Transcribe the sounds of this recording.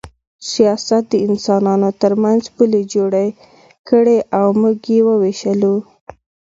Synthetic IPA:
sijɑsat̪̚d̪əɪnsɑnɑnot̪əɾmanzpuled͡ʒoɽa | kəɽeʔawmuɡjewəweʃəlu

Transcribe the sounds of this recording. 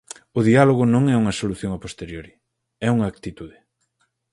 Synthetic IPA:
ʊðialoɣʊnõŋɛuŋɐsoluθjõŋɐpost̪eɾjoɾi | ɛuŋɐːk̚t̪it̪uðɪ

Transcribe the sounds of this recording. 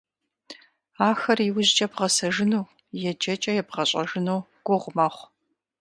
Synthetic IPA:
aːxɐriwʊʑt͡ʃʼɐbʁɐsɐʒɨnow | jɛd͡ʒɐt͡ʃʼɐjɛbʁɐɕʼɐʒɨnow | ɡ̥ʷʊʁʷmɐχʷ

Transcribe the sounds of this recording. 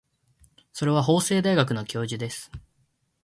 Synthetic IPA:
so̞ɾe̞β̞aɦo̞ːse̞ːd̪aiɡak̬ɯ̟no̞kʲo̞ːʑid̪e̞sɨ̥

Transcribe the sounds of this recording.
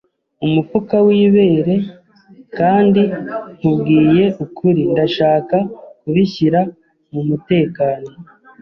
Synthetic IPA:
umupukawiːβe̞ːɾe̞ | kaːndiŋ̥ubɡiːje̞ʔukʰuɾindaʃaːkakuβiçiɾa | mumute̞ːkaːno̞

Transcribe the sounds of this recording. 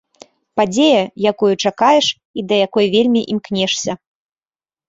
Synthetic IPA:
pad͡zʲejɐjakujut͡ʂakajɛʂ | id̪ɐjakɔjvʲelʲmʲiʔimknʲɛʂsʲɐ

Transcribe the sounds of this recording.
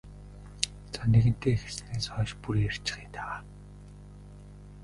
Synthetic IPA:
t͡saneɣɘ̆n̥t̪eːxe̥sɘneːsœːʃpuɾiːer̥t͡ɕɪ̥̆χiːnt̪ʰaa

